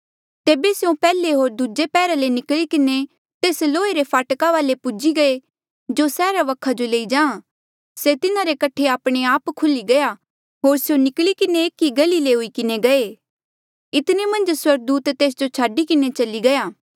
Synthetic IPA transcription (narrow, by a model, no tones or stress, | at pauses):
t̪eːbesjõpɛːleɦoːɾd̪ud͡ʒepɛːɾalenɪklikɪne | t̪eːsloːeɾepʰaːʈkaʋaːlepʊd͡ʒiɡɐe | d͡ʒosɛːɾaʋɐkʰːad͡ʒoleːid͡ʒãːã | set̪ɪnaɾekɐʈʰeaːpɽ̃eaːpkʰʊliɡɐja | ɦoːɾsjõnɪklikɪneeːkːiɡɐlileɦʊikɪneɡɐeː | ɪt̪nemɐ̃nd͡ʒswɐɾɡ̚d̪uːt̪ːeːs̬d͡ʒot͡ʃʰaːɖikɪnet͡ʃɐliɡɐjaː